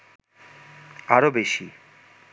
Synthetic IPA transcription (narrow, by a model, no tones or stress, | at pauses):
aɾobeʃi